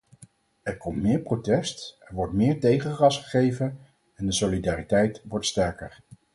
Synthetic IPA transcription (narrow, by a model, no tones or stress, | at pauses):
ɛɹkɔmtmɪːɹprotɛstɛɹʋɔɹtmɪːɹtejχərɑsχəχejvən | ɛndəsolidaːritɛjtʋɔɹtstɛɹkəɹ